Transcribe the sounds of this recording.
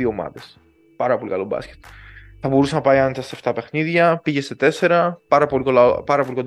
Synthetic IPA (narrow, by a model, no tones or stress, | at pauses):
iomɐ̰ðe̞s | pɐɾɐpo̞lḭkɐlobɐ̰sce̥t̪θɐbo̞ɾusenɐpɐjɐnt̪ɐseft̪ɐpe̞xniðʝɐpiʝe̞st̪et̪e̞se̞ɾɐpɐɾɐpo̞likolɐpɐɾɐpo̞liko